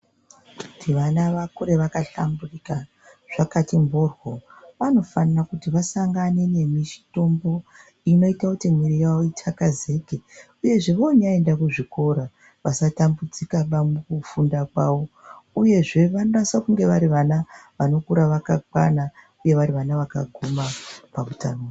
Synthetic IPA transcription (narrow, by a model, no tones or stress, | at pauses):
kuutʰiʋanaʋakuɾe̞ʋakaɬamburika | ʐ̥akatimborwo̞ʋano̞fanarakutiʋasaŋɡane̞ne̞mit͡ʃi̥to̞mbo̞ | ino̞itakutimwiɾijawoitʰakaze̞ɡʱe | uje̞ʐe̞ʋaoɲae̞ndakuʐiko̞ɾa | ʋasatambud͡zikaɓamukufundakwaʋo̞uje̞ʐe̞ʋano̞rasakuŋɡe̞ʋaɾiʋanaʋano̞kuɾaʋakakwa̰na | uje̞ʋaɾiʋanaʋaka̰ɡʱumapamutano